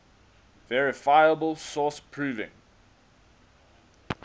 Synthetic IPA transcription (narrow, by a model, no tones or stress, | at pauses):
vɛɹɪfaɪəbəlˠsɔspʰɹ̥ʉːvɪ̰̃ŋ